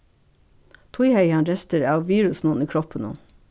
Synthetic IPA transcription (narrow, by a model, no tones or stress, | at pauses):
t̪ʰʊɪheɪɑnɾɛst̪əɾɑːʋʋiːɹʉsn̩uːniːkʰɾɔpənṵn